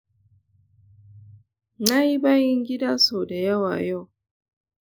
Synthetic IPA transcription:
na˦i˦ba˦ji˦ŋ˦ɡi˦da˦so˨da˨ja˦wa̰˨jɔ˦˨

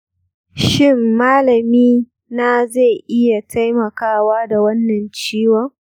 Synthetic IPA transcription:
ʃɪ˦mːaː˦lɐ˨miː˦ | na˦za˦˨ʔɪ˦ja˨tʰa˦jmɐ˨kaː˦waː˦da˨wɐ˦nːɐ˨nt͡ʃiː˦wɔ˦ŋ

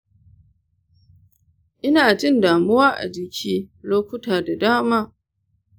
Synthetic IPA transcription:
ʔɪ˦naː˨d͡ʒɪ˦ndaː˨mʊ˦wa˦ʔa̰˨d͡ʒɪ˨kʲʰiː˦loː˦kʷʊ˦taː˨da˨daː˦maː˦

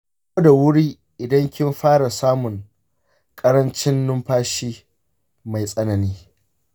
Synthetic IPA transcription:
kʷo˦da˨wʊ˦ɽiː˦ | ʔɪ˨dɐ˦ŋkʲɪ˦mɸaː˦ɽa˨saː˦mʊ˨ŋ | kʼɐ˦ɾɐ˦nt͡ʃɪ˦nːʊ˦mɸaː˦ʃiː˦ | ma˨jsʼɐ˦nɐ˨niː˦

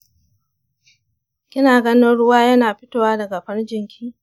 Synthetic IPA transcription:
kʲɪ˦naː˨ɡɐ˦nɪ˦nɽʊ˦waː˦jɐ˦naː˨ɸɪ˦toː˦˨waː˦dɐ˨ɡa˨ɸɐ˦nd͡ʒɪ˨ŋkʲʰiː˦

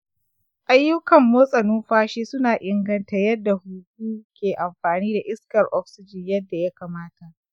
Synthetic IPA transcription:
ʔa˦jːʊ˦kɐ˨mːoː˦sʼɐ˨nʊː˦mɸaː˦ʃeː˦sʊ˦naː˨ʔɪ˦ŋɡɐ˦ntɐ˨jɐ˦dːa˨huː˨kʷuː˦kʲeː˨ʔa˨mɸaː˨niː˦da˨ʔɪ˦skɐ˨rʔɔ˦ksɪ˦d͡ʒɪ˨ɲjɐ˦dːa˨ja˦kaː˨maː˦ta˨ʔ

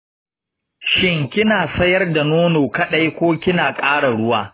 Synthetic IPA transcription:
ʃɪ˦˨ŋkʲɪ˦naː˨sɐ˦jɐ˦rda˨noː˦noː˨kɐ˦ɗa˦jkʷoː˦kʲɪ˦naː˨kʼaː˦ɽa˨ɽʊ˦waː˦

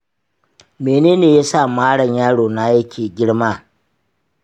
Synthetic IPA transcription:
meː˨neː˦neː˨ja˦sa˦˨maː˦ɽɐ˨ɲjaː˦ɽoː˨na˦jɐ˦kʲʰeː˨ɡʲɪ˦ɽmaː˦

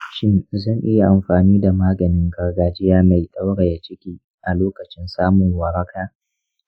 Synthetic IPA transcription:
ʃɪ˦nzɐ˦˨ŋʔɪ˦ja˨ʔa˨mɸaː˨niː˦da˨maː˦ɡɐ˨nɪ˦ŋɡɐ˨rɡaː˨d͡ʒɪ˦jaː˦ma˨jɗa˦wɽa˨ja˨t͡ʃɪ˦kʲiː˦ | ʔa˨loː˦kɐ˨t͡ʃɪ˦nsaː˦mʊ˨ŋwɐ˨ɾɐ˦kʰaː˦

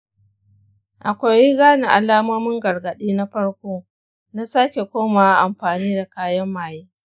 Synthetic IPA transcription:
ʔa˨kʷa˨ji˦ɡaː˦na˨ʔa˨laː˦mo˦mɪ˦ŋɡɐ˨rɡɐ˨ɗiː˦na˦ɸɐ˦ɽkʷoː˦ | na˦sa˦kʲe˨kʷoː˦ma˨a˦ʔa˨mɸaː˨niː˦da˨kaː˦jɐ˦mːaː˨jiː˦

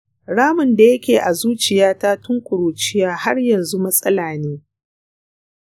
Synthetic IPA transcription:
ɽaː˦mʊ˨nda˨jɐ˦kʲeː˨ʔa˨zuː˦t͡ʃɪ˨jaː˦ta˦tʊ˦ŋkʷʼʊ˨ɾuː˨t͡ʃɪ˦jaː˦ha˦rjɐ˨nzu˦mɐ˦sʼɐ˦laː˨neː˦

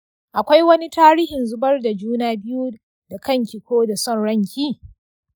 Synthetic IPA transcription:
ʔa˨kʷa˦jwɐ˦ni˦taː˦ɾiː˦hɪ˨nzʊ˦bɐ˦rda˨d͡ʒuː˦naː˦bɪ˦ju˦ | da˨kɐ˦˨ŋkʲi˨kʷoː˦da˨sɔ˦˨nɽɐ˦ŋkʲiː˦

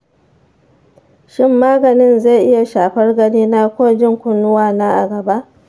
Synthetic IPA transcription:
ʃɪ˦mːaː˦ɡɐ˨nɪ˦nza˦˨ʔɪ˦ja˨ʃaː˨ɸɐ˦rɡɐ˦niː˦naː˦kʷoː˦d͡ʒɪ˦˨ŋkʷʊ˦nːʊ˦waː˦˨naː˦ʔa̰˨ɡɐ˨ba˦ʔ

